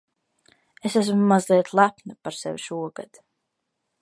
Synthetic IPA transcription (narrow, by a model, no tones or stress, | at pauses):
esæs̬mmːazlˠiɛt̪lˠapnɨpaɾsḛvʲiʃuɔɡ̥a̰d̪̥